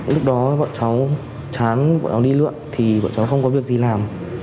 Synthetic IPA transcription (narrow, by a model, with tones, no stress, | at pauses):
lʊ˦˥k̚ɗɔ˨˦ɓɔ̰˧˨nt͡ɕa˨˦w | t͡ɕaː˨˦nɓɔ̰ː˧˨nt͡ɕa˨˦wɗi˧lɨ̰˧˨ənt̪ʰi˨˩ɓɔ̰ː˧˨nt͡ɕa˨˦wxə˧wŋ͡mkɔ˨˦vi˨˩ək̚zi˨˩laː˨˩m